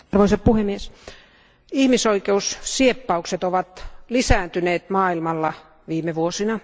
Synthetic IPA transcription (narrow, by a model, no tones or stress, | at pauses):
rʋoiseppuhemies | ihmisoikeussiepːɑukset̪oʋɑt̪lisæːnt̪yneːt̪mɑːilmɑlːɑ | ʋiːmeʋuosinɑ